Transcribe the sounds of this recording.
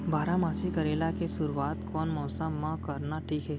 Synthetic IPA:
baːɾamaːsikɐɾeːlakesʊɾuaːt̪kɔːnmɔːsãmãkɐɾnaʈʰiːkɦɛː

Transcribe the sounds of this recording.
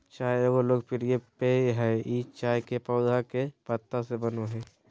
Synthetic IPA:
t͡ʃaːɦeoɡoloːɡpʰɪɾjepeɦɛit͡ʃaːjkepɔːd̪ʱakepət̪ːasebənoɦɛː

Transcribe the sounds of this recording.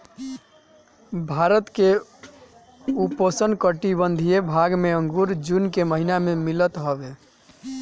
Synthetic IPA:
bʱaɾət̪ke | uposənkəʈibənd̪ʱijebʱaɡmeəŋɡuɾd͡ʒunkeməɦinamemilət̪ɦɔbe

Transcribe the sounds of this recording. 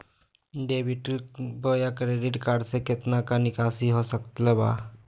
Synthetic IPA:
ɖebiʈbojakɾeɖiʈkaɾɖseket̪nakanɪkasiɦosəkt̪leba̰ː

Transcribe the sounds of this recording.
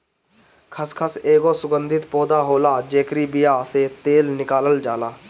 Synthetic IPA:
kʰəskʰəseːɡosʊɡə̃nd̪ʱɪt̪pɔːd̪aɦoːlaːd͡ʒeːkɾibijaset̪eːlnɪkaːləld͡ʒaːlaː

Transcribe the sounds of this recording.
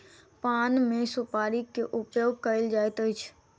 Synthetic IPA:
panmẽsupaɾikeʔʊpjoɡ̚kəɾeld͡ʒajt̪əjt͡ʃʰ

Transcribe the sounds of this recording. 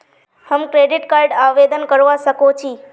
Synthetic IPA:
həmkɾeɖiʈkaɾɖaʋed̪ənkəɾʋaʃəkot͡ʃʰi

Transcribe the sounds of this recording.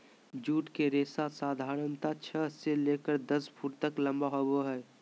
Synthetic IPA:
d͡ʒuːʈkeɾeːsasaːd̪ʱaːɾənt̪at͡ʃʰəseleːkəɾd̪əspʰuːɾt̪əklə̃mbaɦoboɦɛː

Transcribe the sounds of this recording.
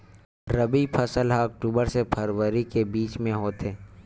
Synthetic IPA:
ɾəbipʰəsəlɦaːk̚ʈuːbəɾsepʰɐɾwəɾikebiːt͡ʃmẽɦoːt̪eː

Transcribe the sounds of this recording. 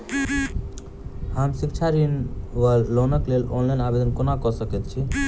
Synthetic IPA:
həmsikt͡ʃʰaɾinʋalːonəklelo̰nlaɪnabed̪ənkonakɔsəkɛt̪t͡ʃʰi

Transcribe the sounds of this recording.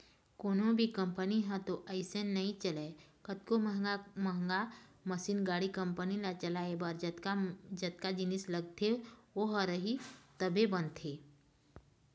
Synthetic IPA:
koːnõbʱikɐ̃mpəniɦə̃t̪oʔɐɪsennɐɦĩt͡ʃɐlekət̪̚koməɦməɦŋɡaməsiːnɡaːɽikə̃mpənilat͡ʃɐlaebɐɾd͡ʒ | d͡ʒɐt̪̚kad͡ʒɪnɪsləɡ̚t̪ʰeoɦəɾəɦit̪əbʱebə̃nt̪ʰeː

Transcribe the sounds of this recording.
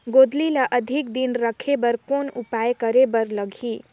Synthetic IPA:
ɡod̪lilaʔəd̪ʱikd̪inɾəkʰebəɾkonupajkəɾebəɾləɡʱi

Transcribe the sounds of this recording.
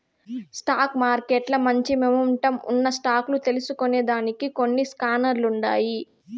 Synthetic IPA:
sʈaːkmaːɾkeʈlɐmɐɲt͡ʃimemuɳʈɐmṵnːɐsʈaːklut̪e̞lusukoneːd̪aːnikiko̞nːiskaːnɐɾluɳɖaːji

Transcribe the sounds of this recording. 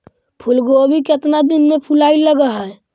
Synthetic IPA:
pʰʊlɡobʱiket̪nad̪ɪnmẽpʰulaːiləɡaɦɛː

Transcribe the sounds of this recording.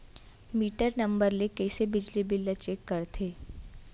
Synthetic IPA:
miːʈəɾnɐ̃mbəɾlekɛːsebɪd͡ʒlibɪlɐt͡ʃeːkːɐɾt̪ʰeː

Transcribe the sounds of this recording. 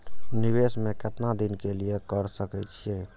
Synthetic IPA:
niʋesmẽket̪nad̪inkelijekəɾsəkɛt̪t͡ʃʰie

